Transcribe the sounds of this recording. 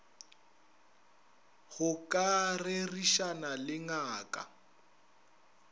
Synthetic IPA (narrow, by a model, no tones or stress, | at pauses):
ɣʊkʼarɪriʃanalɪŋaːkʼa̰